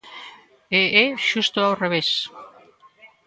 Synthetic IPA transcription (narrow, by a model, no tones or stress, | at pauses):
eeʃust̪oawreβ̞es